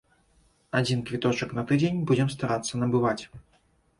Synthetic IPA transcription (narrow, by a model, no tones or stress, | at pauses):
ad͡zʲinkvʲit̪ɔt͡ʂɐknɐt̪ɨd͡zʲenʲbud͡zʲɛmst̪aɾat̪sːɐnɐbɨvat͡sʲ